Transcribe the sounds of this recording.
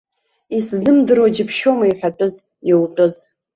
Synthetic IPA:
iszɨmdɨrod͡ʒɪpʰʃomaiħʷᶣatʷʼɨz | jewtʼɨz

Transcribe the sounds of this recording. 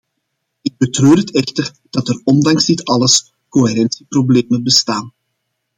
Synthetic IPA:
ɪɡ̚bətrøːrətɛxtər | d̥ɑtərɔndɑŋzdɪtɑləs | koɦeɾɛnsiprobleːmənbəstaːn

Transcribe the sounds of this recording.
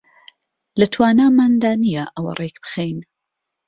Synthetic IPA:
lɐt̪ʰwaːnaːmaːnd̪aːnijaʔɐwɐ̰rʔekbɨ̥xejn

